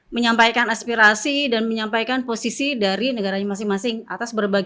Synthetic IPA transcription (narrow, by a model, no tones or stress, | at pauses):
məɲampajkanaspiɾasidanməɲampajkanposisidaɾinəɡaɾaɲamas̬ɪŋmasɪŋat̪asbərbaɡ